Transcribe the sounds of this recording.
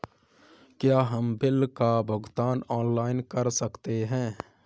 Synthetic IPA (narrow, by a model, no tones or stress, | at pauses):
kjaːɦəmbɪlkabʱəɡt̪aːnɔːnlaːɪnkəɾsəkt̪eɦɛ̃ː